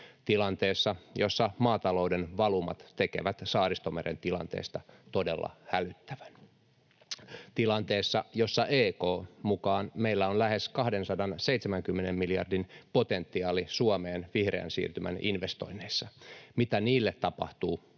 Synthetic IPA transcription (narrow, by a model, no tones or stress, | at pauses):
t̪ilɑnt̪eːsːɑjosːɑmɑːt̪ɑlo̞udenʋɑlumɑ̰t̪t̪ekḛʋæt̪sɑːrist̪omeɾḛnt̪ilɑ̰nt̪ḛːst̪ɑt̪odelːɑ̰hælyt̪ːæʋæn | t̪ilɑnt̪eːsːɑjosːɑʔeːkoːmukɑːnmeilːæonlæheskɑhdensɑdɑnseit̪semæŋkymːenemmiliɑ̰rdinpot̪ent̪ːiɑːlisuomeːnʋihrḛæ̰nsḭːrt̪ymʔæ̰ninʋest̪o̰inːeisːɑmit̪æniːlːet̪tɑpɑ̰ht̪uː